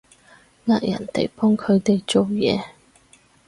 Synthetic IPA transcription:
ŋaː˧t̚jɐ̰˨˩nt̪ḛ˨˩jpɔː˥ŋkʰɵ˨˧ɥt̪e˨jt͡so˨wjɛː˨˧

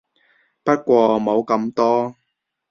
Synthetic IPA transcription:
pɐ˥t̚kʷɔː˧mo˨˧wkɐ˧mt̪ɔː˥

